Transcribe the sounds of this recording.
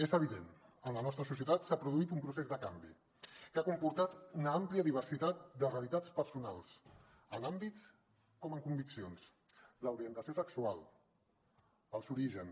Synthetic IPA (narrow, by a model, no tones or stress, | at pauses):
ezəβ̞iðenənlənɔst̪ɾəsusiət̪at̪sapɾuðuit̪umpɾusezðəkambḭ | kakumpuɾt̪at̪unəampliəðiβ̞əɾsit̪at̪̚d̪əreəlit̪at͡spəɾsunalˠs | ənambitt͡s | kɔməŋkumbiksions | ləuɾiənt̪əsiosəksualˠ | əlˠsuɾiʒən